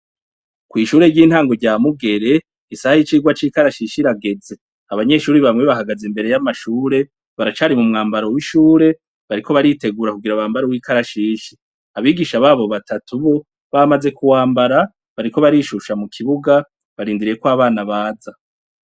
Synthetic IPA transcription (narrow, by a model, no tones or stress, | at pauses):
kwiːʃuːɾe̞ɟiːn̥haːŋɡo̞ɾɟaːmuɡe̞ɾe̞ | isahajit͡ʃiːɡwat͡ʃiːkaɾaʃiːʃiɾaɡe̞d͡ze̞ | aβaɲe̞ʃuːɾiβamŋweβaɦaɡazembe̞ɾe̞jamaʃuːɾe̞ | βaɾat͡ʃaːɾimumŋaːmbaɾo̞wiʃuːɾe̞ | βaɾikʰo̞βaɾite̞ɡuːɾakuɡiɾawaːmbaɾowiːkaɾaʃiːʃi | aβiːɡiːʃaβaːβo̞βatʰatʰuβo̞ | βamaze̞kuwaːmbaɾa | βaɾiko̞βaɾiʃuʃamukʰiβuɡa | βaɾiːndiɾije̞kwaːβaːnaβaːza